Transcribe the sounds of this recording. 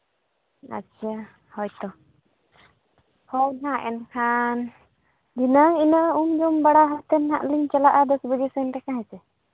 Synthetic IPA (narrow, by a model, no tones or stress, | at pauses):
a̰tːʃʰa | hɔjt̪ɔ | hɔwnãʔɛ̰nkʰan | d̪inəŋinəʔumd͡ʒɔmbaɽaɦat̪ɛnɦaʔliɲt͡ʃalaʔad̪ɔsbəɡisɛnʈɛkaɦɛsɛ